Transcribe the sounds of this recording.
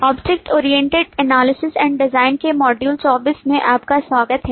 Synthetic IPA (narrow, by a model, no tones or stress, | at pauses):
ɔːbd͡ʒɪk̚ʈʰoːɾijɛ̃ɳʈeɖɛnaːlɪsɪsɛ̃ːɳɖɖɪzaːɪnkemɔːɖjuːlsɔːbɪsmẽʔaːpkaswaːɡət̪ɦɛː